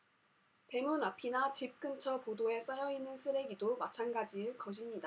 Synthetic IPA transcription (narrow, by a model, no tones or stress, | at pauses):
te̞munapʰinat͡ɕip̚k͈ɯnt͡ɕʰʌpodoe̞s͈ajʌinːɯnsʰɯɾe̞ɡidomat͡ɕʰanɡad͡ʑiɯɭkʌɕimɲida